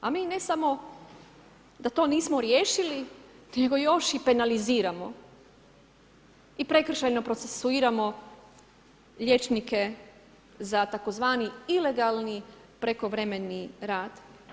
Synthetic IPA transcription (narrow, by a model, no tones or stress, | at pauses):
amiːne̞samo̞ | d̪at̪o̞ːniːsmo̞ɾjeːʃilineɡo̞jo̞ʃipe̞naliziːɾamo̞ | ipɾe̞kr̩ʃajno̞pɾot̪se̞suiːɾamo̞ | ʎe̞t͡ʃnike̞ | zat̪ako̞zʋaːniile̞ɡalˠni | pɾe̞ko̞ʋɾeme̞niɾaːd̪̥